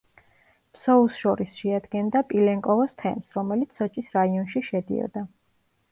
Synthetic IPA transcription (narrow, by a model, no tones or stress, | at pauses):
psɔusʃɔɾisʃɛad̪ɡɛnd̪apʼilɛŋkʼɔvɔst̪ʰɛ̰msɾɔmɛlit̪sʰɔt͡ʃʼisɾaiɔnʃiʃɛd̪ḭɔ̰d̪a